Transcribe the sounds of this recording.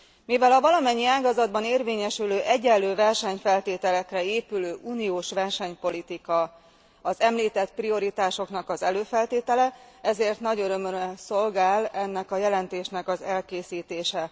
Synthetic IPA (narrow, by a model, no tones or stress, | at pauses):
mivɛlɒvɒlɒmɛɲːiaːɡɒzɒd̪bɒneːrveːɲɛʃyløːʔɛɟːɛlːøːvɛrʃɛɲfɛlt̪eːt̪ɛlɛkrɛeːpyløːʔuːnioːʃʋɛrʃɛɲpo̞lit̪ikɒ | ɒzɛmliːt̪ɛt̪prio̞ɾit̪aːʃo̞knɒkɒzɛløːfɛlt̪eːt̪ɛlɛɛzeːrt̪nɒɟøɾø̞møɾɛso̞lɡaːlɛnːɛkɒjɛlɛnt̪eːʃnɛkɒzɛlkeːsiːt̪eːʃɛ